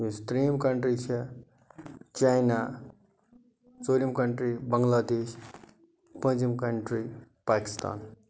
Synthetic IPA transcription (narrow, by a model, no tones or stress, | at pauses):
ist̪ɾimkəɳʈɾit͡ʃʰi | t͡ʃajna | t͡solimkəɳʈɾibəŋlad̪es | pənt͡ʃimkəɳʈɾi | paki̥st̪a̰ːn